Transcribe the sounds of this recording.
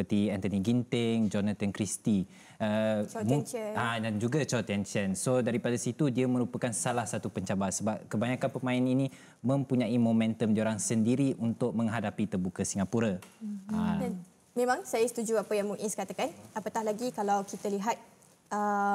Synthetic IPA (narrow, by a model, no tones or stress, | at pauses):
əpərt̪iɛnt̪əniɡint̪ɪŋd͡ʒɔnat̪ankɾist̪i | əmuadand͡ʒuɡat͡ʃat̪ɛnsənsodaɾipadasit̪udiamə̃ɾupakansalahsat̪upəɲt͡ʃabasəbap̚kəbaɲakanpəmãɪninĩ | mə̃mpuɲãimomɛ̃nt̪əmdioɾaŋsəndiɾiʔunt̪ʊk̚mə̃ŋɦadapit̪ərbukəsiŋapuɾaʔədan | mẽmãŋsajəsə̥t̪ud͡ʒuapajaŋmũŋʔiskat̪akanapat̪ahlaɡikalawkit̪aliɦat̪̚ | ə